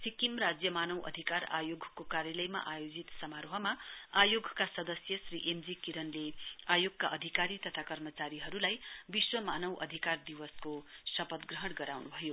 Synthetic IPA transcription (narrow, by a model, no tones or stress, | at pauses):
sikimrad͡zjʌmanʌwʔʌ̰d̪ʱikaɾa̰joɡʱkokaɾjʌlʌjma̰ʔajod͡zit̪sʌmaɾoɦʌmaajoɡkasʌd̪ʌsjʌsriʔemd͡zikiɾʌnleajoɡ̚kaʔʌd̪ʱikaɾit̪ʌt̪ʰakʌrmʌt͡saɾiɦʌɾulajbiswʌmanʌwʔʌ̰d̪ʱikard̪iwʌskosʌpʌt̪ɡrʌɦʌɽɡʌɾawnubʱʌjo